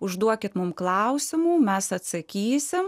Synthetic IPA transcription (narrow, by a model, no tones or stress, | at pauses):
ʊʒd̪uɔkʲɪt̪mʊmklˠɐʊsʲɪmuːmʲɛsɐt̪sɐkʲiːsʲɪm